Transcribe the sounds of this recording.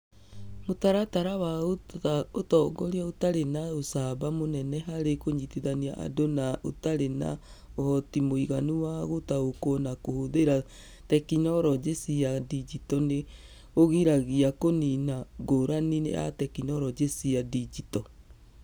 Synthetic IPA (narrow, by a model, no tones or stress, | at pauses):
motaɾataɾawaootɔɡɔɾiaotaɾenaosaβamonɛnɛɦaɾekoɲitiðaniaʔa̰donao̰taɾena̰ | ohɔtimoiɣanuwaɣotaokonakohoðeɾa | tɛkinɔɾɔd͡ʒesiadid͡ʒitɔne | oɣiɾaɣiakoninaɡoɾaninḛa̰tɛkinɔɾɔd͡ʒesiadid͡ʒitɔ